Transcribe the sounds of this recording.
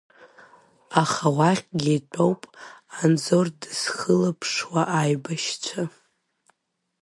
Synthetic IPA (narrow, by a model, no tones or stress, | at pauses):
aχawaχʲɡʲit͡pʷʼowpʼanzo̞rdɨsχəlapʰʂwaʔajbaʃt͡ʃʷʰa